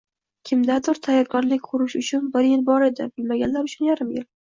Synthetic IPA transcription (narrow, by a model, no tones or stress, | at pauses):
kʲʰɪmd̪ad̪ʊɾt̪ʰajːɒɾkʰɒnlɪkʲqʰʊɾʊʃʊt͡ʃʰʊnbɪɾjɪlbɒɾe̞d̪ɪ̰bɪlmaɡʲanlaɾʊt͡ʃʰʊnjaɾɪmjɪl